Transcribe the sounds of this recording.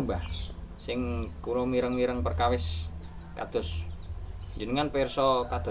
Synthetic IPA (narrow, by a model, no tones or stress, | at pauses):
bahsɪŋkuɾomiɾəŋmiɾəŋpərkawɪs | kad̪̥ʊs | d͡ʒənəŋanpɛrsɔkad̪̥